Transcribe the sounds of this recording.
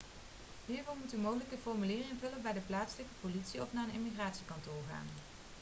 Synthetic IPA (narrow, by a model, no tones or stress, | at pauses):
ɦiːɹvɔɹmutymowχələkəfɔɹmylɪːrɪŋvɵləbɛjdəplaːtsələkəpolitsiɔfnaːənɪmiχraːtsikɑntʊːɹχa̰ːn